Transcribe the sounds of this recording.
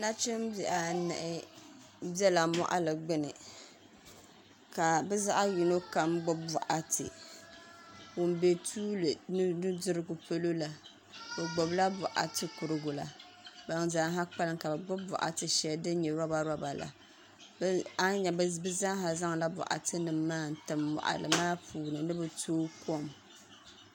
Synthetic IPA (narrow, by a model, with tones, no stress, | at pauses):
na˦t͡ʃɪ˦mbɛ˨ʔa˨nɨ˨ʔɪ˦ | bɛ˦la˨mɔ̰˦ʔa̰˦lɨ˨ɡ͡bɪ˦nɨ˨ | ka˨bɛ˦za˦ʔa˦ji˨no˦ka˦mɡ͡bʊ˦bʊ̰˨ʔa˦tʰɨ̰˨ | wʊ˨m˦be˨tʰuː˦lɨ˨˦nɨ˦dɨ˦ɾɨ˦ɡʊ˨pʰo˦lo˦la˨ | bɨ˨ɡ͡bo˨bla˦bʊ˨ʔa̰˨tɨ˨kʊ˨ɾɨ˨ɡʊ˨la̰˨ | ba˨ŋza˦ŋɦa˦k͡pa˦lɨ˦ŋka˨bɨ˨ɡ͡bʊ˦bʊ̰˨ʔa̰˨tɨ˨ʃɛ˦ldɨ˦ɲɛ˨ɾa˦ba˦ɾa˦ba˨la̰˨ | ba˦ɲɛ˨bbɨ˦za˦ŋɦa˨za˦ŋ˨la˦bʊ̰˨ʔa̰˨tɨ˦nɨ˨mːaː˦n̩˨tɨ˨mːɔ̰˨ʔa̰˨lɨ̰˨maː˦puː˨nɨ˨nɨ˦bɨ˨tʰoː˦ko˦˨m